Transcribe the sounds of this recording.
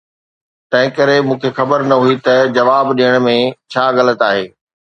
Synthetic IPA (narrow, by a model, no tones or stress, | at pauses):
t̪ɐ̃ɦɪ̃kɐɾemũːkʰexɐbəɾnɐɦuit̪ɐd͡ʑɐʋaːbɗiəɽ̃̆mẽt͡ɕʰaːɣɐlət̪aːɦeː